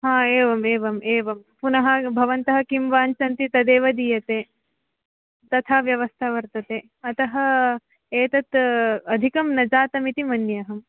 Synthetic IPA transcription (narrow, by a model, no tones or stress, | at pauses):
ɦãːeːʋɐmeːʋɐmeːʋɐmpunɐɦɐ̆bʱɐʋɐnt̪ɐɦɐkimʋaːnt͡ʃɐnt̪it̪ɐd̪eːʋɐd̪iːjɐt̪eː | t̪ɐt̪ʰaːʋjɐʋɐst̪ʰaːʋɐɾt̪ɐt̪eː | ɐt̪ɐɦɐ | eːt̪ɐt̪ɐd̪ʱikɐmnɐd͡ʒaːt̪ɐmit̪imɐnjɐɦɐm